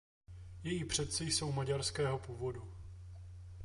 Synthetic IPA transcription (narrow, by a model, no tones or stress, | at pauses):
jɛjiːpr̝̥ɛt̪sɪjso̞wmaɟaɾskɛːɦo̞puːvo̞du